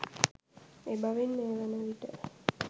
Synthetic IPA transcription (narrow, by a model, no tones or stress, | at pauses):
ebaʋinːeːʋənəʋiʈə